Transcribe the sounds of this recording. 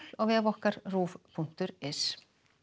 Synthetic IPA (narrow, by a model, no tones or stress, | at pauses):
laɣvɛːvɔhkaɾruːvpʰuŋ̥t̪ʏɾɛs